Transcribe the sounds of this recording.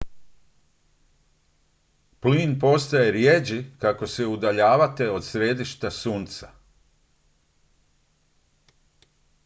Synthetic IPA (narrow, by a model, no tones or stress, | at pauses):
pliːnpo̞st̪aje̞ɾje̞d͡ʑikako̞se̞ud̪aʎaːʋat̪e̞o̞d̪sɾed̪iʃt̪asuːnt̪sa